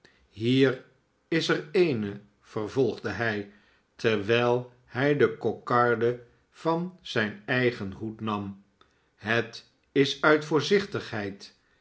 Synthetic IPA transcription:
ɦiːr | ɪsɛrejnə | v̥əɹvɔlˠχdəɦɛj | tʰɛɹʋɛjlˠ | hɛjdəkokɑɹdə | v̥ɑnz̥ɛjnɛjχənɦutnɑm | ɦət | ɪsœɥtfʊːɹzɪχtəχɦɛjt

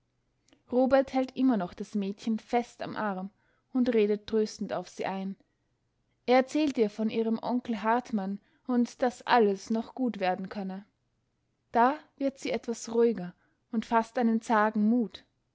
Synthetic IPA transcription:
ʁoːbɛɐthɛltʔɪmɐnɔχd̥asmɛːtçənfɛsta̰mʔaʁm | ʊntʁeːdət̚ːʁ̥øːstn̩ta̰ʊfz̥ḭːʔaɪn | ʔeːɐɛɐt͡sɛːltiːɐfɔnʔiːʁəmʔɔŋkl̩ɦaɐtman | ʊntd̥asʔa̰ləsnɔχɡ̥uːtv̥eːɐdn̩kʰœnə | d̥aːv̥ɪɐtz̥iːʔɛtv̥asʁuɪɡɐ | ʊntfastʔaɪnənt͡saːɡŋ̩muːt

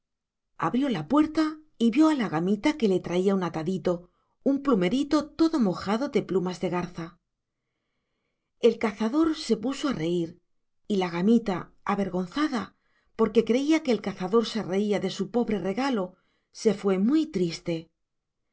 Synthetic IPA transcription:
a̰βɾjo̞lapwe̞ɾt̪a | iβjo̞alaɣamit̪ake̞le̞t̪ɾaiaunat̪aðit̪o̞ | umplume̞ɾit̪o̞t̪o̞ðo̞mo̞xaðo̞ðe̞plumazðe̞ɣaɾθa | e̞lkaθaðo̞ɾse̞puso̞are̞iɾ | ilaɣ̞amit̪a | aβe̞ɾɣo̞n̟θaða | po̞ɾke̞kɾe̞iakeːlkaθaðo̞ɾsereiaðe̞supo̞βɾe̞re̞ɣalo̞ | se̞fwe̞mwujt̪ɾist̪e̞

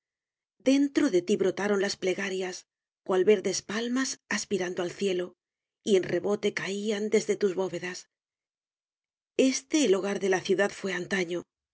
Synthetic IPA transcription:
d̪e̞nt̪ɾo̞ðe̞t̪iβɾo̞t̪aɾo̞nlasple̞ɣaɾjas | kwalβe̞ɾðe̞spalmasaspiɾand̪oalθje̞lo̞ | ie̞nre̞βo̞t̪e̞kaiand̪e̞zðe̞t̪uzβo̞βe̞ðas | e̞st̪e̞ːlo̞ɣ̞aɾðe̞laθjuðaðfwe̞ant̪aɲo̞

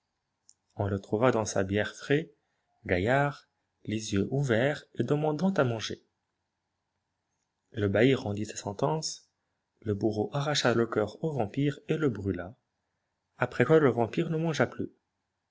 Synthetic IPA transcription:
ɔ̃lət̪χuvad̪ɑ̃sa̰bjɛʁfχɛ | ɡajaʁ | lezjøʔuvɛʁed̪əmɑ̃d̪ɑ̃t̪amɑ̃ʒḛ | ləbaiʁɑ̃d̪isḁsɑ̃t̪ɑ̃s | ləbuʁoʔaʁaʃaləkʲœʁovɑ̃piʁeləbʁyla | apχɛkwaləvɑ̃piʁnəmɑ̃ʒaply

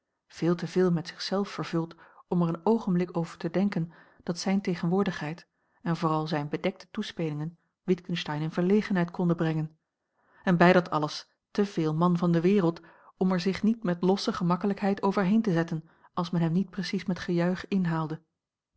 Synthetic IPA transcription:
v̥ɪːlˠtəvɪːlˠmɛtsɪ̥χsɛlˠfəɹv̥ɵlˠtɔmɛɹənowχənblɪkowvəɹtədɛŋkənd̥ɑtsɛjntejχənʋʊːɹdəχɦɛjt | ɛnvʊːrɑlˠzɛjnbədɛk̚tə̥tuspejlɪŋən | ʋɪtkənstɑjnɪnvəɹlejχənɦɛjtkʰɔndəbrɛŋən | ɛnbɛjdɑtʰɑ̰ləs | təv̥ɪːlˠmɑnvɑndəʋɪːrəlˠt | ɔmɛɹzɪχnitmɛtlɔsəχəmɑkələkɦɛjtowvəɹɦejntəzɛtən | ɑlˠsmɛnɦɛmnit̚prəsismɛtχəjœɥχɪnɦaːlˠdə

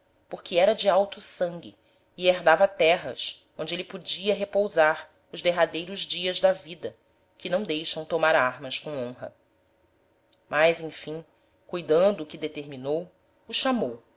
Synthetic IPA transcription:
poɾkɪɛɾɐd͡ʒɪawt̪usɐ̃ŋɡʲɪ̰ː | eɾd̪avɐat̪ɛɦɐ̰s | õnd͡ʒɪelɪpud͡ʒiɐɦepowzaɾ | ʊʒd̪eɦad̪ejɾʊʒd͡ʒiɐzd̪ɐvid̪ɐ | kɪnɐ̃w̃d̪ejʃɐ̃w̃t̪omaɾaɾmɐskõw̃õɦɐ̰ | mʔajzẽj̃fĩ | kujd̪ɐ̃nd̪ʊːkɪd̪et̪eɾminow | uʃamow

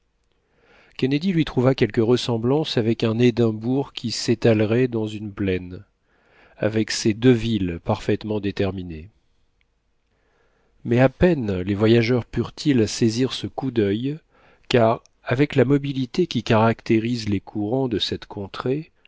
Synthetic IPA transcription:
kʲɛned̪ilɥit̪χuvakʲɛlkəʁəsɑ̃blɑ̃savɛkɛ̃ned̪ɛ̃buʁkʲʰiset̪alʁɛd̪ɑ̃zynplɛn | a̰vɛksed̪øvilpaʁfɛt̪mɑ̃d̪et̪ɛʁmine | mɛapɛnlevwajaʒœʁpyʁt̪ʰilseziʁsəkud̪œj | kaʁ | avɛklamɔbilit̪ekʲikaʁakt̪eʁizlekʰuʁɑ̃d̪əsɛt̪kʰɔ̃t̪χe

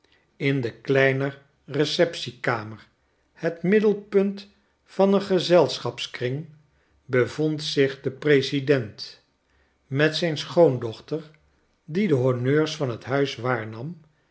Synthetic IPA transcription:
ɪndəklɛjnə | rəsɛpsikaːməɹ | hətmɪdəlˠpɵnt | fɑnəχəzɛlˠsχɑpskrɪŋ | bəvontsɪχdəprejsidɛnt | mɛtsɛjnsχowndɔχtər | didəɦɔɹnøːɹsfɑnɦətɦœɥsʋaːɹnɑm

